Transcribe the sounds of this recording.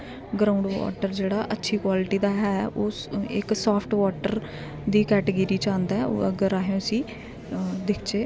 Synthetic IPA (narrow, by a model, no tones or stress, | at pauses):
ɡɾaːʊ̃ɳɖʋɔ̰ːʈəɾd͡ʒeːɽaːʔətːʃʰiːkwaːlɪʈiːd̪aːɦɛːoːɪksɔːpʰʈʋɔːʈəɾ | d̪iːkɛːʈəɡəɾiːt͡ʃãːnd̪aːɛo̰əɡəɾaːɦjõːsĩː | d̪ɪkʰt͡ʃeː